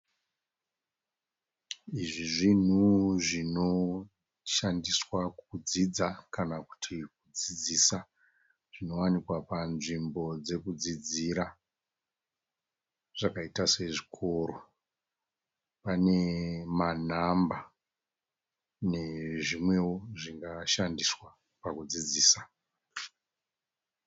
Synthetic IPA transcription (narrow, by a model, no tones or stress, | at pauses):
iʐiʐin̤uʐino̞ | ʃandiswakud͡zid͡zakanaku̥tʰik̚ud͡zid͡zisa | ʐ̥ino̞wanikwapanʐimbo̞d͡ze̞kud͡zid͡ziɾa | ʐ̥akaitase̞ʐikʰo̞ːɾo | pane̞man̤amba | ne̞ʐimwe̞woʐiŋɡaʃandiswa | pakud͡zid͡ziːsa